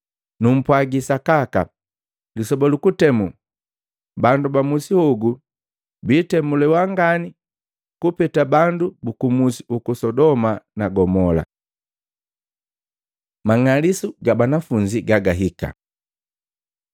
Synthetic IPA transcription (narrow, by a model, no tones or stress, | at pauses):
num̩pwaɡisakaka̰ | lisɔbɔlukutɛmu | bandubamusihuɡu | biːtɛmulɛwaŋɡani | kupɛtabandubukumusi̥ukusɔdɔmanaɡɔmɔla̰ | maŋalisuɡabanafuɲd͡ʒiɡaɡaɦika̰